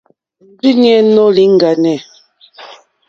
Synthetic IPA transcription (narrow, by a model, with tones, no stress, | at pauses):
m̩˨˦bi˦n˦ɛ˦nɔ˦li˦ŋ˨ɡa˨nɛ˨